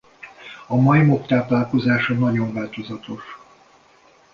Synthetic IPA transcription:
ɒmɒjimokt̪aːplaːlko̞zaːʃɒnɒɟo̞ɱvaːlt̪o̞zɒt̪o̞ʃ

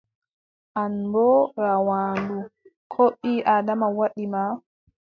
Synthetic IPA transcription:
ʔanbɔɾawaːndukʰoɓːiʔaːdamawaɗima

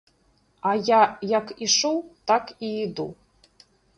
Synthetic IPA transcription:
ajajakʰiʂowt̪akiid̪ṵ

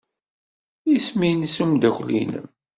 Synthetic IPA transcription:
jisminsumd̪æçʷlḭnə̰m

